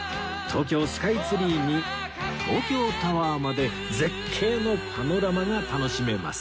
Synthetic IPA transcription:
t̪ʰo̞ːkʲo̞ːsɨ̥kait͡sɨɾʲiːɲi | t̪ʰo̞ːkʲo̞ːt̪aβaːmad̪e̞ | d͡ze̞kʰːe̞ːno̞kʰano̞ɾamaŋat̪ano̞ɕime̞ma̰sɨ̥

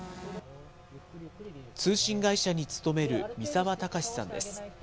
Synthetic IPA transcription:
t͡sɨːɕĩŋɡaiɕaɲ̟it͡sɨ̥t̪o̞me̞ɾɯ̟mʲisaβat̪akaɕi̥sãnd̪e̞̰sɨ̥

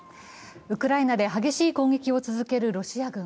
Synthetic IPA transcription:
ɯ̟kɯ̟ɾainad̪e̞ɦaɡe̞ɕiːkõ̞ːŋɡe̞kʲio̞t͡sɨzɨke̞ɾɯ̟ɾo̞ɕiaɡɯ̟̃

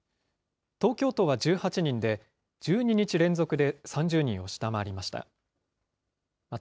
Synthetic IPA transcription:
t̪o̞ːkʲo̞ːt̪o̞βad͡ʑɨːhat͡ɕiɲ̟ĩnd̪e̞ | d͡ʑɨːɲ̟iɲ̟it͡ɕiɾẽ̞nzo̞kɯ̟d̪e̞sãɲ̟d͡ʑɨːɲ̟ĩo̞ɕi̥t̪amaɾʲimaɕi̥t̪a̰ | ma

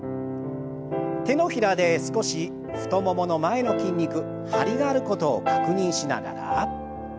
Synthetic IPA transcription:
t̪e̞no̞çiɾad̪e̞sɨ̥ko̞ɕi | ɸɯ̟̥t̪o̞mo̞mo̞no̞mae̞no̞kʲĩɲʲːikɯ̟ | haɾʲiɡaːɾɯ̟ko̞t̪o̞ːkakɯ̟ɲ̟ĩɰ̃ɕina̰ɡa̰ɾa̰

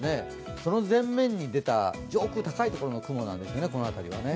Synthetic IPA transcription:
ne̞ | so̞no̞zẽ̞mːẽ̞ɲ̟ːid̪e̞t̪a̰d͡ʑoːkɯ̟t̪akait̪o̞ko̞ɾo̞nokɯ̟mo̞nãnd̪e̞sɨjo̞ne̞ko̞no̞at̪aɾʲiβa̰ne̞

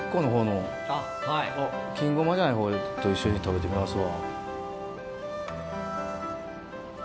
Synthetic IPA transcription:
kːo̞ːno̞ɦo̞ːno̞ | a | haiokʲĩŋɡo̞mad͡ʑanaiɦo̞ːt̪o̞iɕːo̞ɲ̟it̪abe̞t̪e̞mʲimasɨβa

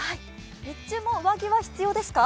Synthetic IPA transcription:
hai | mʲit͡ɕːɨːmoɯβaɡʲeβaçi̥t͡sɨjo̞ːd̪e̞sɨ̥ka

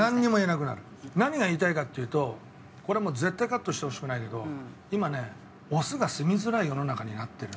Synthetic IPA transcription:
nãɲːimo̞enak̬ɯ̟na̰ɾɯ̟ | naɲ̟iɡaiːt̪aikat̪ʲːejɯ̟ːt̪o̞ | ko̞ɾe̞mo̞ːze̞t̪ːaikat̪ːo̞ɕi̥t̪eho̞ɕi̥kɯnaike̞d̪o̞̰ | imane̞ | o̞sɨɡasɨmʲizɨɾaijo̞no̞nakaɲ̟inat̪ːe̞ɾɯ̟

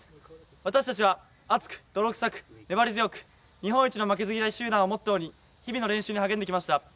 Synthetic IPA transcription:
β̞at̪aɕi̥t̪at͡ɕiβ̞a | at͡sɨ̥kɯ̥d̪̥o̞ɾo̞kɯ̥sakɯ̟̥ne̞baɾʲizɨjo̞kɯ̟̥ | ɲ̟iɦõɰ̃it͡ɕino̞mak̬e̞zɨɡʲiɾaiɕɨːd̪ãɰ̃omo̞t̪ːajoːɲ̟i | çibʲino̞ɾẽ̞ɰ̃ɕɨːɲ̟ihaɡẽ̞nd̪ekʲimaɕi̥t̪a

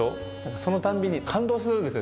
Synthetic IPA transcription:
o | nãŋkaso̞not̪ãmbʲiɲ̟ːikʰãnd̪o̞ːs̬ɨɾɯnd̪esɨo

